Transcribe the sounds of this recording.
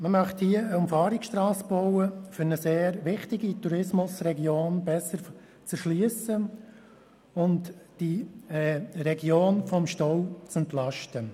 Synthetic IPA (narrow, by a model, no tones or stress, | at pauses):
məmœχthiəəʊmfɑːɾɪksʃtrɑːsb̥ɔʊəfʏɾnəseːɾʋɪχtɪɡituɾɪsmʊsrɛɡjoːnbɛsəɾ | t͡sɛɾʃliəsə | ʊntd̥iɛɾɛɡjoːnfɔmʃtɔwt͡sɛntlɑʃtə